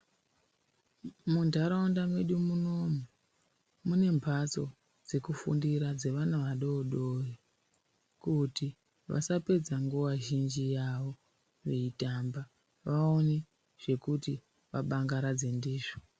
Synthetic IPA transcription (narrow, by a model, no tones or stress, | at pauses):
mundʱaɾaundamwe̞ɗumuno̞mu | mune̞mbʱat͡so̞ | d͡ze̞kufṵndiɾad͡ze̞ʋanaʋaɗoːɗori | kuti | ʋʔa̰sape̞d͡zaŋɡuwaʒind͡ʒijaʋo̞ | ʋeitamba | ʋaone | ʐ̥e̞kuti | ʋaɓaŋɡaɾad͡ze̞ndiːʐo